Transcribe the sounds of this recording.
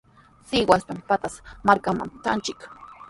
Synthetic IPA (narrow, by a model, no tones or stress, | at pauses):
sɪwaspampat̪asmaɾkama̰mt̪a̰nt͡ʃɪk